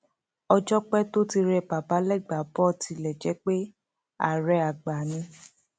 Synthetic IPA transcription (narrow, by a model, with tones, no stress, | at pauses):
ɔ˧d͡ʒɔ˦k͡pɛ˦to˦ti˧ɾɛ˧˨pa˨pa˨˦lɛ˦˨ɡ͡ba˨bɔ˦ti˧lɛ˨d͡ʒɛ˨˦k͡pe˦ | a̰˦˨ɾɛ˨˦a˨ɡ͡ba˨nĩ˧